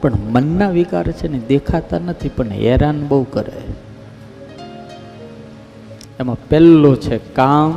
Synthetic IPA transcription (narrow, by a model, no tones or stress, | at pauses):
pəɳmənːaʋikaɾt͡ʃʰened̪ekʰat̪anət̪ʰipəɳɛ̰ɾanbəukəɾḛ | emãpɛlːot͡ʃʰekam